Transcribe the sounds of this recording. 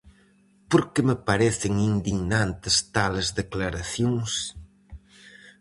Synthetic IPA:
poɾkemepaɾɛθɪŋind̪iɣnant̪ɪst̪alezðeklaɾaθjoŋs

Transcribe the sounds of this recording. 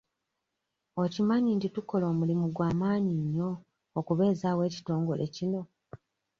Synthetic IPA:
o̞cimaɲintituko̞lo̞ːmulimuɡwaːmaːɲiɲːo̞ː | kuβe̞ːzaːwe̞ːci̥to̞ːŋɡo̞le̞̰cino̞

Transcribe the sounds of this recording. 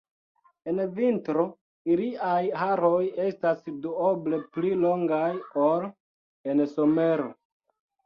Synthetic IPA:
e̞nvintɾo | iliajhaɾo̞je̞stasduoble̞pliloŋɡajol | e̞nso̞me̞ɾo̰

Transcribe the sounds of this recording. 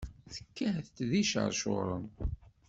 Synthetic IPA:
θə̥kːəhθt̪ðiʃə̰ɾˤʃo̰ɾˤən

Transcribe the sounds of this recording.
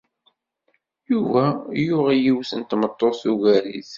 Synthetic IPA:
juvæjʊʁijiwsənt̪mət̪ˤːoθuɣælḭθ

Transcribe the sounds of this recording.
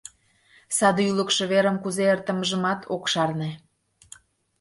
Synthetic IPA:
sɑd̪yləkʃɤ̆βeɾəmkuzeərt̪ə̆məʒəmɑt̪ʰokʃɑrne

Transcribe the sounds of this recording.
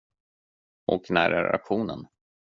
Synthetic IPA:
ʔɔknæːɾɛɾa̰kɧuːnən

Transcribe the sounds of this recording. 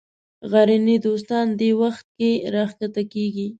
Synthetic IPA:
ɣaɾinid̪os̬t̪ɑnd̪ewaxt̪̚keɾɑxkat̪akeɡi

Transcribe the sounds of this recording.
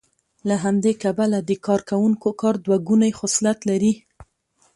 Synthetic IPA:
laɦamd̪ekabalad̪əkɑɾkawuŋkokɑɾd̪waɡunajxʊslat̪laɾi

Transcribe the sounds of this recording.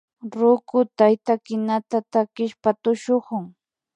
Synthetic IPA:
ɾʊkʊt̪ajt̪akɪnat̪at̪akɪʃpat̪ʊʃoχʊŋ

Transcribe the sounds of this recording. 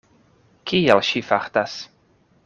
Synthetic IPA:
kʰiɛlʃifaxt̪as

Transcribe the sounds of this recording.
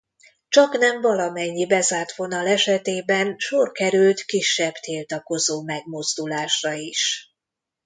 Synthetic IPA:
t͡ʃɒknɛɱvɒlɒmɛɲːibɛzaːrt̪ʋo̞nɒlɛʃɛt̪eːbɛnʃorkɛɾylt̪kiʃːɛbt̪ʰiːlt̪ɒko̞zoːmɛɡmozd̪ulaːʃrɒiʃ

